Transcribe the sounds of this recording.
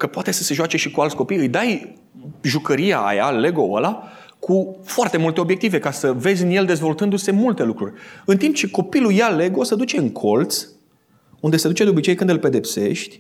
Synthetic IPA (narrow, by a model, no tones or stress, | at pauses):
kəpoat̪e̞səse̞ʒoat͡ʃe̞ʃikualt̪sʲko̞pijɨjd̪aj | ʒukəɾia̰a̰ja̰le̞ɡo̞ə̰la | kʰufoart̪e̞mult̪e̞o̞bje̞k̚t̪ive̞kasəve̞zʲɨnje̞ld̪e̞zvo̞lt̪ɨnd̪use̞mult̪e̞lukɾurʲɨnt̪imp̚t͡ʃe̞ko̞pilujale̞ɡo̞səd̪ut͡ʃe̞ɨŋkʰo̞lt̪s | und̪e̞səd̪ut͡ʃe̞d̪eo̞bit͡ʃejkɨnd̪ɨlpe̞d̪e̞pse̞ʃt̪ʲ